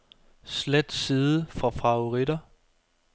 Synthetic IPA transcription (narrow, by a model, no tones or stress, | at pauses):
sled̥siːðˠəfʁɑ̈fɑ̈ʊʁid̥ɐ